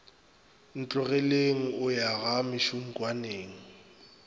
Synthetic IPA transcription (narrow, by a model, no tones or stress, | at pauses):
n̩t͡ɬʼʊɣɛleŋ̩ʊjaɣamɪʃum̩kʼwaneːŋ̩